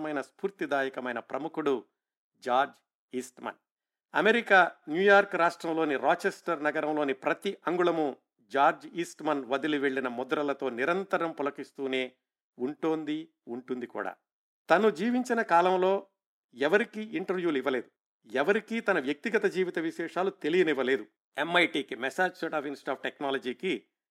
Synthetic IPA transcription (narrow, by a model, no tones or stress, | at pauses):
mɐjnɐspuːɾt̪id̪aːjɐkɐmɐjnɐpɾɐmukuɽu | d͡ʒaːɾd͡ʒ | iːsʈmɐ̰n | ɐmeɾikaːnjuːjaːɾkɾaːʂʈɾɐmlo̞ːniɾaːt͡ʃesʈɐɾnɐɡɐɾɐmlo̞ːnipɾɐt̪iʔɐŋɡuɭɐmu | d͡ʒaːɾd͡ʒiːsʈmɐnʋɐd̪iliʋe̞ɭːinɐmɔd̪ɐɾɐlɐt̪o̞ːniɾɐnt̪ɐɾɐmpɔlɐkist̪uːne̞ː | uɳʈoːnd̪i | uɳʈund̪ikṵːɽa̰ː | t̪ɐnud͡ʒiːʋiɲt͡ʃinɐkaːlɐmlo̞ː | ɛʋɐɾikiʔiɳʈɐɾʋjuːliʋɐle̞ːd̪u | ɛʋɐɾikit̪ɐnɐʋjɐk̚t̪iɡɐt̪ɐd͡ʒiːʋit̪ɐʋiʃɛːʂaːlut̪e̞lijɐniʋɐle̞ːd̪u | emɐjʈiːkimɛsaːd͡ʒsoːʈaːpʰinsi̥ʈaːp̚ʰʈeknaːlɐd͡ʒiːki